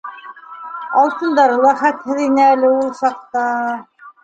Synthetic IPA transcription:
ɑlˠt̪ɤ̆nd̪ɑɾɤlˠɑχæt̪hɘ̆ðinɘælɘulˠsɑq̚t̪ɑ

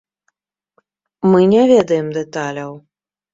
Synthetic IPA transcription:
mɨnʲɛvʲɛd̪ɐjɛmd̪ɛt̪alʲɐw

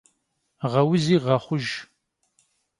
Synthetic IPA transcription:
ʁɐwʊziːʁɐχʷʊʒ

